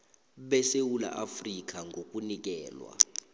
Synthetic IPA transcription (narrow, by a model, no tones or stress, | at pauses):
ɓɛsewula̰ʔafrik̬ʼaŋɡʱokʼunik̬ɛːlwa̰